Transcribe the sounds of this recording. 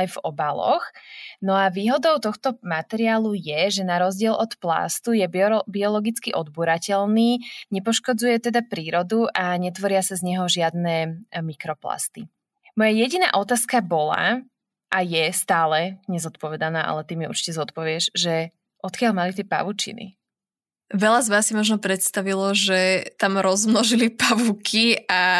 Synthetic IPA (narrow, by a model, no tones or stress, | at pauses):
jvɔbalɔ̰xnɔaʋiːɦɔd̪ɔʊt̪ɔxt̪ɔmat̪ɛɾiaːlujɛʒɛnaɾɔzɟɪɛlʔɔt̪pla̰st̪ujɛbbiɔlɔɡit͡skiʔɔd̪buɾacɛlniːɲɛpɔʃkɔd͡zujɛt̪ɛd̪apɾiːɾɔd̪uʔaɲɛt̪ʋɔɾɪasazɲɛɦɔʒɪad̪nɛmikɾɔpla̰st̪i | mɔjajɛɟina̰ːʔɔt̪aːskabɔla̰ | ʔajɛst̪aːlɛɲɛzɔt̪pɔʋɛd̪anaːʔa̰lɛt̪imjɛṵɾt͡ʃi̥cɛzɔt̪pɔʋɪɛʒʒɛ | ʔɔt̪kɪalmalit̪̬ɪɛpa̰ʋut͡ʃḭnḭ | ʋɛʎazʋaːsːimɔʒnɔpɾɛt̪st̪aʋilɔʒɛt̪amɾɔzmnɔʒilipaʋukʰia